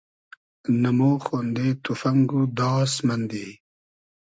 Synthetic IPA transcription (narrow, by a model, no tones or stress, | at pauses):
nɐmoːxond̪et̪ufɐŋɡud̪ɑːsmɐnd̪i